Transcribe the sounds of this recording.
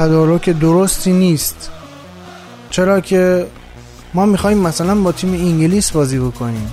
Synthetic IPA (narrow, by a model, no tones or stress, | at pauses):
t̪ʰæd̪ɒːɾocʰed̪oɾost̪ʰiːniːst̪ | t͡ʃʰe̞ɾɒːkcʰe̞ | mɒːmixɒːhiːmːæsælænbɒːt̪ʰiːmeiŋɟiliːsbɒːziːbo̞kʰo̞niːm